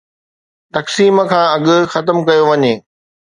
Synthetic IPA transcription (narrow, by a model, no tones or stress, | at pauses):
t̪ɐksiːmə̆kʰãːɐɠʊ̆xɐt̪əmkɐjoʋɐɲeː